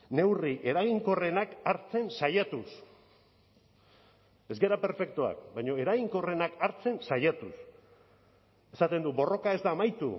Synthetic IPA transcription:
ne̞wriʔe̞ɾaɣiŋko̞re̞nakaɾt͡se̞nsajat̪us | e̞zɡe̞ɾape̞ɾfe̞k̚t̪oa̰k̚bajɲo̞e̞ɾaɣiŋko̞re̞nakaɾt͡se̞nsajat̪us | e̞sat̪e̞nd̪ubo̞ro̞kae̞zd̪aːmajt̪ṵ

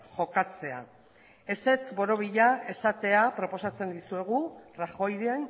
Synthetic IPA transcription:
ʝo̞kat͡se̞a̰ | e̞se̞t͡sbo̞ɾo̞βiʎae̞sat̪e̞apɾo̞po̞sat͡se̞nd̪isue̞ɣ̞uraxo̞jɾeen

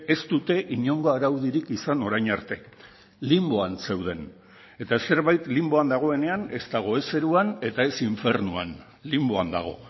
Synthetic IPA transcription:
e̞st̪ut̪e̞ʔiɲo̞ŋɡo̞aɾawðiɾikisano̞ɾajɲaɾt̪e̞ | limbo̞anse̞wð̞e̞n | e̞t̪ase̞ɾβajt̪limbo̞and̪aɣ̞o̞e̞ne̞ane̞zt̪aɣ̞o̞e̞se̞ɾuane̞t̪ae̞siɱfe̞ɾnua̰n | limbo̞and̪a̰ɣ̞o̞̰

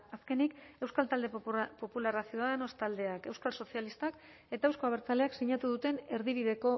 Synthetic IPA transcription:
aske̞nike̞wskalt̪ald̪e̞po̞pularasioaðeno̞st̪ald̪e̞ake̞wskalso̞sialist̪ak | e̞t̪aewsko̞aβ̞eɾt͡sale̞aksiɲat̪uðut̪e̞ne̞ɾðiβ̞iðe̞ko̞

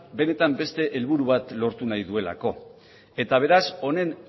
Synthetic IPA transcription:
be̞ne̞t̪ambe̞st̪e̞ʔelβuɾuβ̞at̪lo̞ɾt̪unajðue̞la̰ko̞ | e̞t̪aβ̞e̞ɾaso̞ne̞n

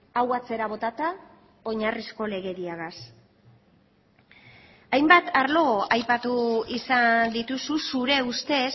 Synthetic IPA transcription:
awat͡se̞ɾaβ̞o̞t̪at̪a | o̞ɲarisko̞le̞ɣe̞ɾiaɣas | ajmbat̪ʰaɾlo̞ɣoʔajpat̪uisand̪it̪ususuɾe̞ust̪e̞s

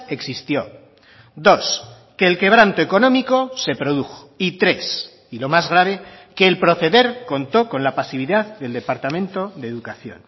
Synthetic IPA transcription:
e̞ksist̪jo̞ | d̪o̞s | ke̞ːlke̞β̞ɾant̪oeko̞nõ̞miko̞se̞pɾo̞ðuxo̥it̪ɾe̞s | ilo̞mazɣ̞ɾaβ̞e̞ke̞ːlpɾo̞θe̞ðe̞ɾko̞nt̪o̞ko̞nlapasiβ̞iðaððe̞ld̪e̞paɾt̪amẽ̞nt̪o̞ðeðukaθjo̞̰n

